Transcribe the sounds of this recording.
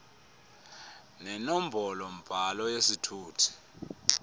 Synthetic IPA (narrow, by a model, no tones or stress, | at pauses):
nɛnom̩bʱɔlɔm̩b̥ʱalɔjesitʰuːtʰi̥